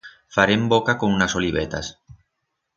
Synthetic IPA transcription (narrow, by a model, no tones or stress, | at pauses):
faɾembokakoŋunasoliβ̞et̪a̰s